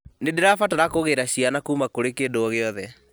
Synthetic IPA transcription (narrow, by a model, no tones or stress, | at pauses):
nedeɾafataɾakoɣeɾaɕianakuːmakoɾekedoɔɣeɔðɛ